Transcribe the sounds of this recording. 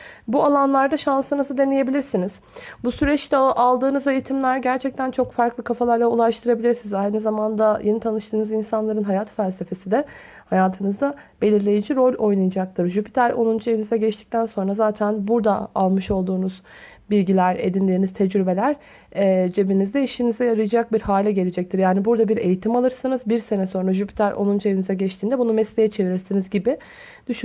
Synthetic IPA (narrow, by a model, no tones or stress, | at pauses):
bualˠanlˠaɾd̪aʃansɯnɯzɯd̪e̞neje̞bilʲiɾsiniz̥ | busyɾɛt͡ʃt̪ʰɛʔalˠd̪ɯːnɯze̞jit̪ʰimlʲæɾɟæɾt͡ʃʰɛc̚t̪ʰænt͡ʃʰo̞kfaɾklˠɯkʰafalˠaɾlˠaulˠaʃt̪ʰɯɾabilʲiɾsinizajnizamand̪ajʔenit̪ʰanɯʃt̪ʰɯːnɯzinsanlˠaɾɯnɦajat̪ʰfælʲse̞fe̞sid̪ɛ | hajaːt̪ʰɯnɯzd̪ab̥e̞lʲiɾlʲe̞jid͡ʒiɾo̞lʲo̞jnajad͡ʒaklˠaɾʒypʰi̥t̪ʰælʲo̰nˠund͡ʒujeinizɛɟɛt͡ʃt̪i̥c̚t̪ʰænso̞nɾazaːt̪ʰænbuɾd̪aa̰lˠmɯʃo̞lˠd̪uːnuz | bilʲɟilʲæɾe̞̰d̪inlʲeinizt̪ʰɛd͡ʒɾybe̞lʲæɾː | d͡ʒe̞binizd̪ɛiʃinizɛjaɾɯjd͡ʒak̚biɾhaːlʲɛɟe̞lʲed͡ʒɛc̚t̪ʰiɾjaːnibuɾd̪abiɾe̞jit̪ʰimalˠɯɾsɯnɯzbiɾse̞nɛso̞nɾaʒypʰi̥t̪ʰæɾʔo̞̰nˠund͡ʒeβinizɛɟɛt͡ʃt̪ʰiːnd̪ɛbunumɛslʲe̞jɛt͡ʃʰe̞viɾiɾsinizɟibɪ | d̪̥yʃy